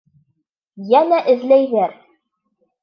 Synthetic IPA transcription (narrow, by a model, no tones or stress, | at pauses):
jænæʔɘ̆ðlæjðæɾ